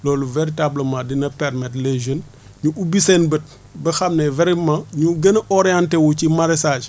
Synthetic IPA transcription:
lɔːluveɾitabləmãdinɐpɛɾmɛtleʒən | ɲuʔubisɛnbət̚ | bɐxɐmnɛvɛɾimãɲuɡɐnʔɔɾɛantɛwucimaɾɛsad͡ʒ

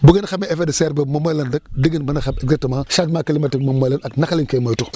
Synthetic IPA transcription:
buɡenxameefedəseɾbemomolandək̚diɡinbənaxabeɡzak̚təmaŋʃatmakilimatikmamojlanaknakaliŋkemajtu

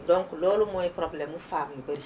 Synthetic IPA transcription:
dɔ̃ŋklolumɔ̃jepɾɔblɛmufamuubɛɾi

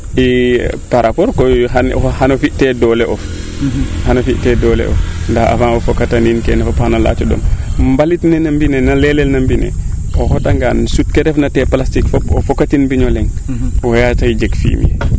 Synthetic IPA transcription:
ʔipaɾapɔɾkɔjɦan̰ɔhanofiʔtɛdɔlɛʔɔf | hanofiʔtɛdɔlɛ̰ʔɔ̰fndaha̰fanɔfɔkataninkɛnɛfaphanala̰t͡ʃɔɗɔ̰mmbalitnɛnambinɛnalɛlɛlnambinɛ̰ | ʔɔhɔtaŋɡa̰nsut̚kɛdɛfnatɛplastikfopɔfokatinbiɲɔlɛŋwɔjataid͡ʒekfḭmḭ

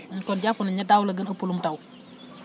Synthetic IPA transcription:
kɔnɟafunɐɲɐdawlɐɡənɐpulumtaw

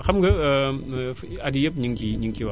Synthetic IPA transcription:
xamɡə | adijəp̚ɲiŋkiɲiŋkiwa

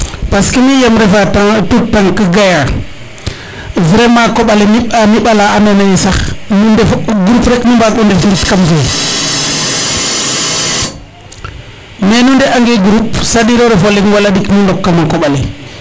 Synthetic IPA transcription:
paskimijamɾevataŋtutːaŋkiɡaja | vɾemakoɓalimianiɓalaananajisaxnundeɡɾupɾekmimbaundefiɡitkamɡe | menundeʔaŋɡeɡɾupsaɗiɾoɾevolinwalaɗiknundokːamakoɓali

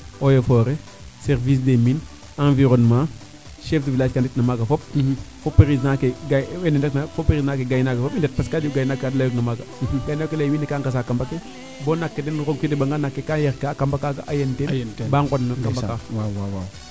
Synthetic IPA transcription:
ojofoɾe | seɾvis̬demin | ãnviɾonmãː | ʃefdivilaːd͡ʒkanditnamaɡafop̚fopeɾis̬nakeɡawenendeknafopeɾisnakeɡajnakafopindet̚paskad͡ʒuɡajinakadlajoknamaɡaɡajnakeleminːikaŋkas̬akambake | boːnakːedenɾoɡ̚kidebaŋɡanakːekajeɾkakambakaɡaʔajentenbaŋkonːkambakaww

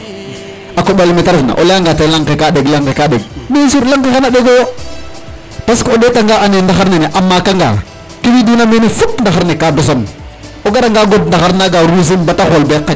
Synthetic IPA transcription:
akoɓalimetaɾsna̰ʔo̰laŋɡatelaŋkekaɗeɡlaŋkekaɗeɡ̚mesuɾlaŋkexanaɗeɡoo | paskooɗetaŋɡaanendaxaɾneneʔamːakaŋɡa̰ | kiwidunamenifutndaxaɾnekados̬on | oɡaɗaŋɡaɡod̚ndaxaɾnaɡaɾis̬inbataxolbeakːa

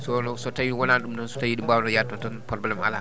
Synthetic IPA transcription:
sɔnɔsɔtajiwɔnanɗumdɔnsɔ̥tajiɗumbawnɔjatɔtɔnpɔɾɔblɛma̰la̰

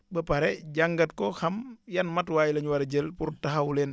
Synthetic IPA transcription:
bəpɐɾɛɟaŋɡɐtkɔxɐmjɐnmɐtwaːjilɐɲwɐɾɟəlpuɾtɐɦɐwulɛn

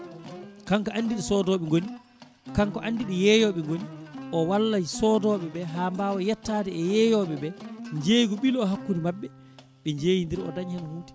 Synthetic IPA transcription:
kaŋkɔʔanːdiɗisɔdɔːɓɛŋɡoni | kaŋkɔʔandiɗijɛjɔɓɛŋɡoniʔɔwalːad͡ʒisɔdɔɓɛɓɛɦaːmbawɔjɛtːadɛɛjɛjɔɓɛɓɛɲd͡ʒejɡɔɓilɔɦakːunimabːɛ | ɓɛɲd͡ʒeːjindiɾiɔ̰daɲhanhuːtɛ̥

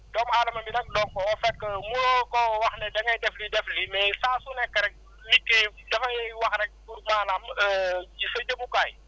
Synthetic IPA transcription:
dɔmaːlɐmɐmbinɐk̚dɔŋkɔɔfɛkːəmulɔkɔwɐxnɛdɐŋɐjdɛflidɛflimɛsaːsunɛkːɐɾɛk̚ | likːədɐfɐjɛwɐxɾɛk̚puɾmaːnaməisɐɟəmukaj

